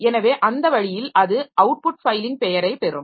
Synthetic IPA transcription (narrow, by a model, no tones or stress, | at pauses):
ɛnɐʋeːʔɐnd̪ɐʋɐɻɪjɪlɐðɯʔɐʊʈ̚pʊʈ̚fɐɪlɪŋ̚pɛjɐɾɐɪpɛɾɯm